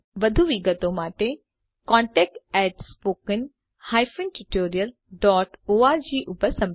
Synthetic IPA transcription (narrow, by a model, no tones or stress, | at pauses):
ʋɐd̪ʱuʋiɡət̪õmaːʈe | kɔ̃ːɳʈɛːk̚ʈɛːʈspoːkən | haːjfənʈuʈoːɾiəl | ɖɔːʈoaːɾd͡ʑiːʔʊbəsɐ̃m